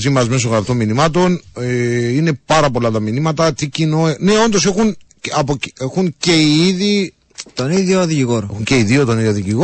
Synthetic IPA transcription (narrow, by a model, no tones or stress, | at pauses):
zimɐzme̞s̬oɣɾɐft̪omːinimɐt̪o̞neine̞pɐɾɐpo̞lɐt̪ɐminimɐt̪ɐt̪icinoene̞o̞nd̪ose̞xun | ɐpocexunceiiði | t̪oniðjoðiciɣoɾexunceiðiot̪oniðjoðiciɣo